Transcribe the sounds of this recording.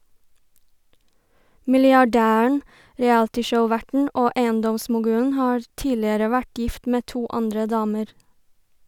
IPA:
mɪlɪɑˈɖæːəɳ̩ ɾɛˈæltɪʃəʊˌʋæʈɳ̩ ˈʔoː ˈʔeɪənˌdɔmsmʊˌɡʉːən ˈhɑːɾ ˈtiːlɪəɾə ˈʋæʈ ˈjɪft ˈmeː ˈtuː ˈɑndɾə ˈdɑːməɾ

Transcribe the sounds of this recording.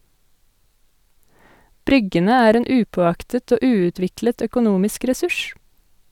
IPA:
ˈbɾʏɡənə ˈæːɾ ˈeːn ˈʔʉːpoːˌɑktət ˈoː ˈʔʉːʉˌtʋɪklət œkʊˈnuːmɪsk ɾɛˈsʉʃ

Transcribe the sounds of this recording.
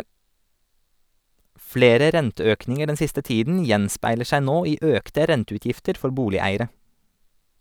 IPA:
ˈfleːɾɛ ˈɾɛntəˌøːknɪŋə ˈɖɛn ˈsɪstə ˈtiːdn̩ ˈjɛnspæɪləɾ ˈʃæ ˈnoː ˈiː ˈʔøːktɛ ˈɾɛntʉˌtjɪftəɾ ˈfɔɾ ˈbuːlɪˌæɪəɾə

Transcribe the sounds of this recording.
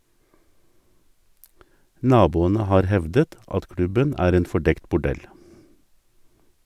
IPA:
ˈnɑːbuːənə ˈhɑːɾ ˈhɛʋdət ˈɑt ˈkɽʉbən ˈæːɾ ˈeːn fɔˈɖɛkt bʊˈɖɛl

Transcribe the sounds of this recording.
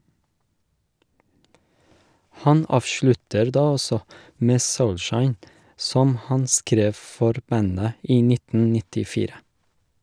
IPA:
ˈhɑn ˈɑːʋʃlʉtəɾ ˈdɑː ˈɔsɔ ˈmeː ˈsɔlˌʃɑɪn ˈsɔm ˈhɑn ˈskɾeːf ˈfɔɾ ˈbænə ˈiː ˈnɪtn̩ nɪtɪˈfiːɾə

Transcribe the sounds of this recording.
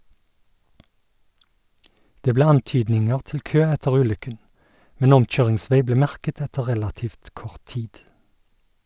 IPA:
ˈdeː ˈbleː ˈɑnˌtyːdnɪŋəʁ ˈtɪl ˈkøː ˈɛtəʁ ˈʉːˌlʏkən ˈmɛn ˈɔmˌc͡çøːʁɪŋˌsʋeɪ ˈbleː ˈmæʁkət ˈɛtə ˈʁɛlɑtiːft ˈkɔʁt ˈtiːd

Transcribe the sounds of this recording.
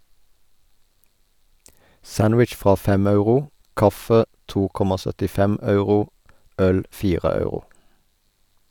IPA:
ˈsænwɪt͡ʃ ˈfʁɑː ˈfɛm ˈɑʉʁʊ ˈkɑfə ˈtuː ˈkɔmɑ sœtɪˈfɛm ˈɑʉʁʊ ˈœl ˈfiːʁə ˈɑʉʁʊ

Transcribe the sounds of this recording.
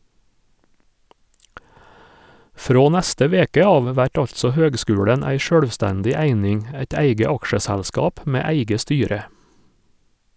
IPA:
ˈfɾoː ˈnæstə ˈʋeːkə ˈɑːʋ ˈʋæʈ ˈɑʎtsɔ ˈhøːɡˌskʉːɽən ˈæɪ ˈʃøːɽʋˌstændɪ ˈæɪnɪŋ ə ˈæɪt ˈæɪɡə ˈɑkʃəˌsælskɑːp ˈmeː ˈæɪɡə ˈstyːɾə

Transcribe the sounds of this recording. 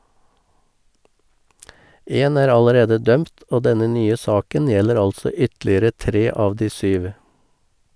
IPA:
ˈeːn ˈæːɾ ɑləˈɾeːdə ˈdœmt ˈoː ˈdɛnə ˈnyːə ˈsɑːkən ˈjɛləɾ ˈɑlsɔ ˈʏtlɪəɾə ˈtɾeː ˈɑːʋ ˈdiː ˈsyːʋ

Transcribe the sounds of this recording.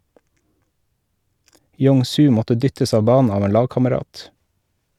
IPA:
ˈjoːŋ ˈsʉː ˈmɔtə ˈdʏtəs ˈɑːʋ ˈbɑːnn̩ ˈɑːʋ ˈeːn ˈlɑːɡkɑməˌɾɑːt

